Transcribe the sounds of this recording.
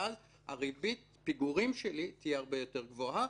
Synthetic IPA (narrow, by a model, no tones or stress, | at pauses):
az | a̰ʁibit̪̚ | piɡuʁimʃelit̪ijeaʁbe̞jo̞te̞ʁɡvo̞ɦa